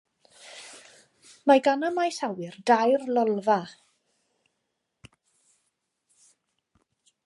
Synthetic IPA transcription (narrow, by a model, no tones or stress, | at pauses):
maɡanamajsawɪrdajrlɔlˠva